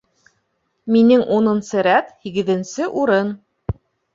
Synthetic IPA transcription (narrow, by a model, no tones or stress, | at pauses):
minɘŋʔunŏnsɤɾæt̪hiɡɘ̆ðɘ̆nsɘʔuɾɤn